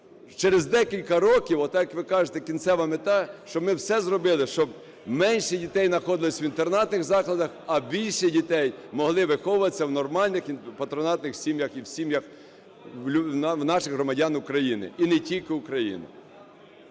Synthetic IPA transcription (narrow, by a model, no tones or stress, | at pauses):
t͡ʃɛɾezd̪ɛkʲilʲkɐɾɔkʲiwɔt̪ːjɐkʋɪkɑʒet̪ɛkʲint̪sɛʋɐmɪt̪ɑʃt͡ʃɔbmɪwsɛzrɔbɪlˠɪʃt͡ʃɔb | mɛnʲʃɛdʲit̪ɛjnɐxɔd̪ɪlˠɪsʲʋint̪ernɑt̪nɪɣzɑklˠɐd̪ɐxɐbʲilʲʃɛdʲit̪ɛjmɔɦlˠɪʋɪxɔʋʊʋɐt͡sʲːɐwnɔrmɑlʲnɪxpɐt̪ɾɔnɑt̪nɪxsʲimjɐxiwsʲimjɐkʲ | nwnɑʃɪɣɦɾɔmɐdʲɑnʊkɾɐjinɪ̰inɪtʲilʲkɪʊkɾɐjḭnʊ̰